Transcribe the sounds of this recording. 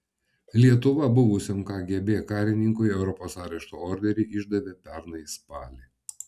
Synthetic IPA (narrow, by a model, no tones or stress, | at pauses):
lʲiɛt̪ʊʋɐbʊʋʊsʲɪmkɑːɡʲiɛbʲeːkɑːɾʲɪnʲɪŋkʊɪɛʊɾɔpoːsɑːɾʲɛʃt̪oɔːɾʲd̪ʲɛɾʲɪʔɪʒd̪ɐʋʲeːpʲɛɾnɐɪspɑːlʲeː